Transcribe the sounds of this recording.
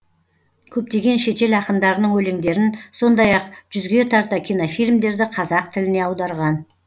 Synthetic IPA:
kʲʰɵp̚t̪e̞ɡʲe̞nʃe̞t̪e̞lɑqəmd̪ɑɾənəɴwɵle̞ŋd̪e̞ɾɪnso̞nd̪ɑjɑqʒ̥ʏzɡʲe̞t̪ʰɑɾt̪ɑkʲʰijnofijlʲmd̪e̞ɾd̪ɪqʰɑzɑqt̪ʰɪlɪne̞ɑwd̪ɑɾʁɑn

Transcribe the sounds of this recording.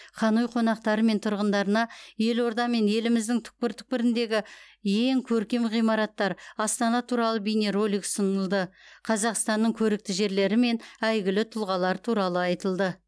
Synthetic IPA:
χʰɑnujqʰo̞nɑq̚t̪ɑɾəme̞nt̪ʰʊɾʁənd̪ɑɾənɑje̞lo̞ɾd̪ɑme̞nje̞lɪmɪzd̪ɪŋt̪ʰʏ̥k̚pɪɾt̪ʰʏ̥k̚pɪɾɪnd̪e̞ɡʲɪje̞ŋkʲʰɵɾkʲe̞mʁijmɑɾɑt̪ːɑɾɑst̪ɑnɑt̪ʰuɾɑlˠəbijne̞ɾo̞lijksənəlˠd̪əqʰɑzɑqst̪ɑnːəɴkʲʰɵɾɪk̚t̪ɪʒe̞ɾle̞ɾɪme̞næjɡʲɪlɪt̪ʰʊlˠʁɑlˠɑɾt̪ʰuɾɑlˠəɑjt̪əlˠd̪ə

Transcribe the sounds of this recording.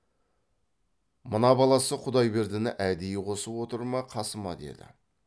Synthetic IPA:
mənɑbɑlˠɑsəqʰʊd̪ɑjbe̞ɾd̪ɪnɪʔæd̪ejqʰo̞səpwo̞t̪əɾmɑqʰɑsəmɑd̪e̞̰d̪ɪ̰

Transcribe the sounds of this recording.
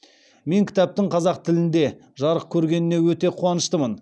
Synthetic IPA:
me̞ŋkʲʰɪ̥t̪æp̚t̪ɪɴqʰɑzɑq̚t̪ʰɪlɪnd̪e̞ | ʒɑɾəq̚kʲʰɵɾɡʲe̞nɪne̞wɵt̪e̞qʰuɑnəʃt̪əmən

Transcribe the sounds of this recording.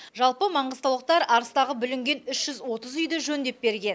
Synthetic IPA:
ʒɑlˠpəmɑɴʁəzt̪ɑwlˠəq̚t̪ɑɾɑɾəst̪ɑʁəbʏlɪŋɡʲe̞nʏʃʒ̥ʏzwo̞t̪əzʏjd̪eʒɵnd̪e̞p̚be̞ɾɡʲe̞n

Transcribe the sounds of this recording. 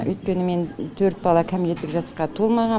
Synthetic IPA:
ʔɵ̰jt̪kʲe̞nɪme̞nt̪ʰɵɾt̪̚bɑlˠɑkʲʰæmilet̪ːɪkʒɑsɑqɑt̪ʰolˠmɑʁɑ

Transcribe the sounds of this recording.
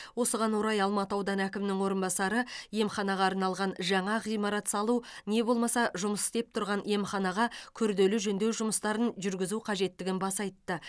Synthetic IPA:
wo̞səʁɑnwoɾɑjɑlˠmɑt̪əɑwd̪ɑnækʲɪmnɪŋwo̞ɾənbɑsɑɾəje̞mχɑnɑʁɑːɾnɑlˠʁɑnʒɑɴɑʁijmɑɾɑt̪sɑlˠune̞bo̞lˠmɑsɑʒʊməsɪ̥st̪e̞p̚t̪ʰʊɾʁɑnje̞mχɑnɑʁɑkʲʰʏɾd̪e̞lɪʒɵnd̪e̞wʒʊməst̪ɑɾənʒʏɾɡʲɪzuqʰɑʒe̞t̪ːɪɡʲɪnbɑsɑjt̪ːə

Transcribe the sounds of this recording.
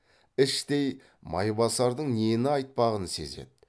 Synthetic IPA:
ɪʃt̪e̞j | mɑ̰jbɑsɑɾd̪əɴnenɪɑjt̪̚pɑʁənse̞̰zḛd̪ɪ

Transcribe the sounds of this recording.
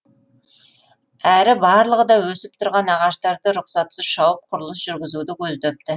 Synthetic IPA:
æɾɪbɑɾlˠəʁəd̪ɑwɵsɪp̚t̪ʰʊɾʁɑnɑʁɑʃt̪ɑɾd̪əɾʊqsɑt̪səzʃɑwəp̚qʰʊɾəlˠəsʒ̥ʏɾɡʲɪzud̪ɪkʲʰɵzd̪ɵp̚t̪ɪ

